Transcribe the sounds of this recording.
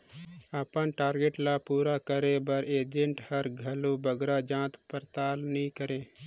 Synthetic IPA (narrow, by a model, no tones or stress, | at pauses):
əpənʈaːɾɡeʈlapuːɾakəɾẽbəɾeːd͡ʒẽɳʈhəɾɡʱɐlobəɡɾad͡ʒãːt̪pəɾt̪aːlnĩkəɾẽː